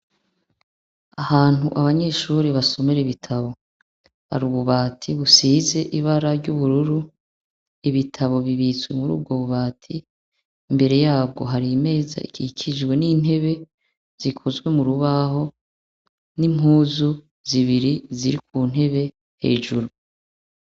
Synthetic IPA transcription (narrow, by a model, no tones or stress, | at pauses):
ahaːn̥huʔaβaɲe̞ʃuːɾiβaso̞meɾeiβitʰaβo̞ | ha̰ɾuβuβaːtʰiβusiːze̞ʔiβaɾaɾɟuβuɾuɾu | iβitʰaβo̞βiβit͡swe̞muɾṵːb̚ɡo̞βuβaːtʰi | imbe̞ɾe̞jaːb̚ɡo̞̰ɦaɾime̞ːza̰ikʰikʰid͡ʒɡwe̞niːn̥he̞βe̞ | z̥ikʰozwe̞muɾuβaɦo̞ | nim̥huːzu | ziβiɾiziɾik̚uːn̥he̞βe̞ | he̞̰ːʒuɾu